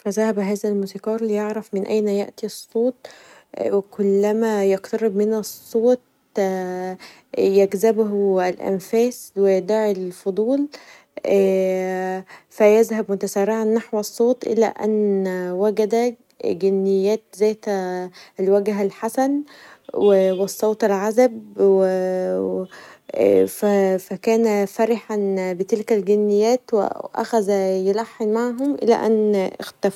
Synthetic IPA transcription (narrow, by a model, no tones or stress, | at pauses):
fæzæhæbɦæːzælmuːsikɑːɾˤlijeʕɾæfmenʔæ̰jnæjæ̰ʔt̪isˤːoːt̪̚ˤ | wekʰolːæmæjɑqt̪ɑɾˤebmenessˤːoːt̪̚ | jæɡzæbhælʔæ̰nfæːswed̪æʕelfod̪ˤuːl | ʔæː | fæjæzhæbmot̪æsæːrɾːɪʕanːaħwsˤːoːt̪ˤʔḛlæ̰ʔæ̰nːwæɡæd̪æ | ɡenːɪjːæːt̪zæːjt̪ | elwæɡɦælħasænwewesˤːoːt̪ˤelʕazæbwe | fæfækæːnæfæɾɪħanbet̪elkælɡenːɪjːæːt̪wḛʔæ̰xæzæjelaħːenmaʕɦomʔɪ̰læ̰ʔæ̰nːʔḛxt̪æf